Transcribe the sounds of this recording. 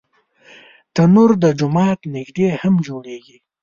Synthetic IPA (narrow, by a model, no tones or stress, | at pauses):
t̪ənuɾd̪əd͡ʒʊmɑːt̪nɪɡd̪ehamd͡ʒoɽeɡi